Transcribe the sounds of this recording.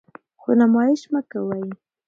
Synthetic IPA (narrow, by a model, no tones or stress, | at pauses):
xonamɑjɪʃmakawaj